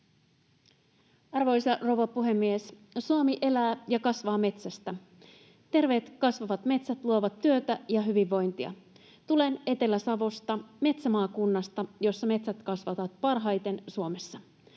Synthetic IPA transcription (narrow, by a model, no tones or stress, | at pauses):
ɑrʋo̞jsɑrowʋɑpuɦe̞mːiessuomiʔe̞læːjɑkɑsʋɑːme̞t̪sæst̪æ | t̪e̞rʋe̞ːt̪kɑsʋɑʋɑt̪me̞t̪sæt̪luoʋɑt̪ːyøt̪æjɑɦyʋiʋːo̞jnt̪iɑ̰ | t̪ule̞ne̞t̪e̞læsɑʋo̞st̪ɑme̞t̪sæmɑːkunːɑst̪ɑjo̞sːɑme̞t̪sæt̪kɑsʋɑt̪ɑt̪̚pɑrɦɑjt̪e̞nsuome̞sːɑ